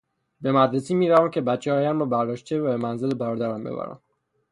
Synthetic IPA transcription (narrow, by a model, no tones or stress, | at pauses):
be̞mæd̪ɾesiːmiːɾævæmcʰe̞bæt̪t͡ʃʰːehɒːjæmɒːbæɾd̪ɒːʃt̪t͡ʃʰevæbemænzelebæɾɒːd̪æɾæmbḛbæ̰ɾæ̰m